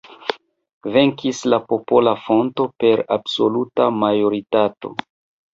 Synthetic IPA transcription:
ve̞ŋkislapo̞po̞lafo̞nto̞pe̞ɾabso̞lutamajo̞ɾitato̞̰

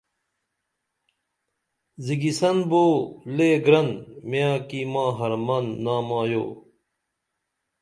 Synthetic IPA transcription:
ziɡisɐnboːleɡɾɐnmjaːkimãːɦɐɾmɐnːaːmaːjo̰ː

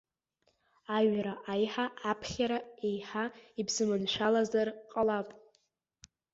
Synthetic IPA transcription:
aɥɾaʔajħaːpʰχʲaɾaejħaibzɨmɨnʃʷᶣalazarqʼalapʼ

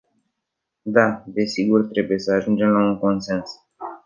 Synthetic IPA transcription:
d̪ad̪e̞siɡurt̪ɾe̞buje̞səaʒund͡ʒe̞mlaunko̞nse̞ns

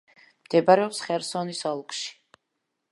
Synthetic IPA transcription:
md̪̥ɛbaɾɛɔpsχɛɾsɔnisɔlˠkʼʃi̥

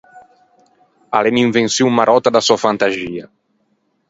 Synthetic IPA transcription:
a̰leniɱvensjumaɾɔt̪ad̪asɔafant̪aziːa

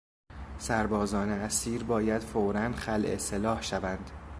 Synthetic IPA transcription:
sæɾbɒːzɒːneæsiːɾbɒːjæd̪̥foːɾænxælʔḛselɒːhʃævænd̪̥

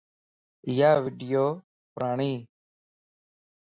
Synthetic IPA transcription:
ɪjaːʋiːɖɪjoː | pɾaːɳiː

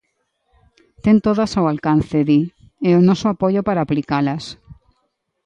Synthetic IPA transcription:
t̪ent̪oðasawalkanθeði | ɛonɔsoapoʎopaɾaːplikalas

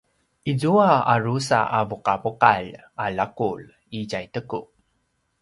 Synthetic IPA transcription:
ʔizuaarusa̰ʔavuqavuqal | ʔalakul | iɟajt̪əku

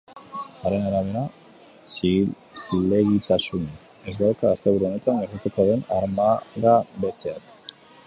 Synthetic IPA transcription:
aɾe̞naɾaβ̞e̞ɾa | sile̞ɣit̪asun | ezɡawkaːst̪e̞βuɾuo̞ne̞t̪anɡeɾit̪ut̪aðe̞naɾmaðaβe̞t͡se̞at̪

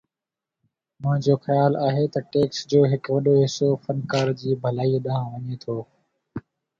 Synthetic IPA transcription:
mʊ̃ɦɪ̃d͡ʑoːxəjaːlaːɦeːt̪ɐʈeːksd͡ʑoːɦɪkʋɐɗoːɦɪsoːfənkaːɾd͡ʑiːbʱəlaːiːɗəɦãːʋəɲeːt̪ʰoː

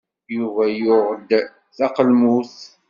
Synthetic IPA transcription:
juvæjʊʁd̪ | θɑqəlmuθ

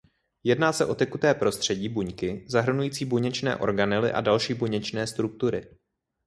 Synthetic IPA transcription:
jɛdnaːsɛʔo̞t̪ɛkut̪ɛːpɾo̞st̪r̝̥ɛɟiːbuɲkɪzaɦr̩nujiːt͡siːbuɲɛt͡ʃnɛ̰ːʔo̞̰ɾɡanɪlɪ̰ʔa̰dalʃiːbuɲɛt͡ʃnɛːst̪ɾuk̚t̪uɾɪ

